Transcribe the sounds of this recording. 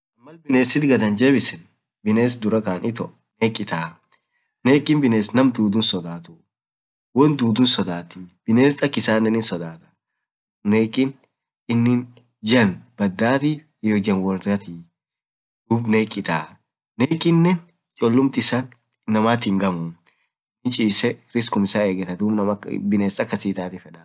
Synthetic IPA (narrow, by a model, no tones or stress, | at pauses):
ʔɐmːɐlbɪneːsɪt̪ɡɐd̪ɐnd͡ʒe̞ːbɪsɛn | bɪneːs̬d̪ʊɾɐkaːnʔɪt̪ɔ | neːkʼːɪt̪aː | neːkʼːɪnbɪneːsnɐmd̪uːd̪ʊnsɔd̪aːt̪ʊ | wɔnd̪uːd̪ʊnsɔd̪aːt̪ibɪneːst̪ʼɐkːɪsaːnːɛnɪnsɔd̪aːt̪ɐ̥ | neːkʼːɪn | ɪnːɪn | d͡ʒɐnb̥ɐd̪ːaːt̪ɪ | jod͡ʒɐnwɔɾdɐt̪i | d̪̥uːbneːkʼːɪt̪aː | neːkʼːɪnːɛn | t͡ʃʼɔlːʊmt̪ɪɪsanː | ɐmaːt̪ɪŋɡɐmʊ | ɪnt͡ʃʼiːsɛɾɪskʊmɪsaeːɡɛt̪ɐd̪uːbnɐmɐbɪneːsɐkːɐsiːt̪aːt̪ɪfɛᶑɐ